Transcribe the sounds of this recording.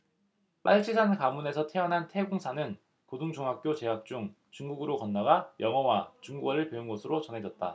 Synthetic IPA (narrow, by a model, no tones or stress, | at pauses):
p͈aɭt͡ɕʰisʰankamune̞sʰʌtʰe̞ʌnɦantʰe̞ɡoŋsʰanɯn | kodoŋd͡ʑoŋɦak̚k͈jot͡ɕe̞ɦak̚t͡ɕ͈uŋ | t͡ɕuŋɡuɡɯɾokʌnːaɡajʌŋʌwat͡ɕuŋɡuɡaɾɯɭpjeunɡosʰɯɾot͡ɕʌnɦe̞d͡ʑʌt̚t͈a